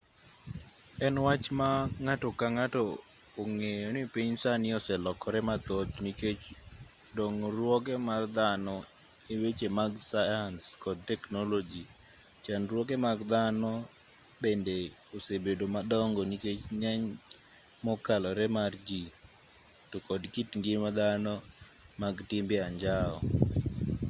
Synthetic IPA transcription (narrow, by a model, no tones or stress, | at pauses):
ɛnwat͡ʃmaŋatɔkaŋatɔː | ŋejɔnɪpiɲsanɪɔsɛlɔkɔɾɛmat̪ot̪niket͡ʃ | dɔŋɾwɔkɛmard̪anɔ | ewet͡ʃemaɡsajanskɔd̚tɛknɔlod͡ʒi | t͡ʃanrwɔk̬ɛmaɡd̪anɔ | bende | osebedomadɔŋɡɔniket͡ʃɲaɲ | mɔkalɔɾɛmard͡ʒi | tɔkɔdkitŋɡɪmad̪anɔ | maɡtɪmbɪaɲd͡ʒaɔ̰